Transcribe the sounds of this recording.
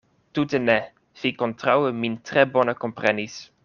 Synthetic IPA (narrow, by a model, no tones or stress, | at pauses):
tutənɛ | fikɔntʁawəmintrɛbɔnəkɔmprɛnis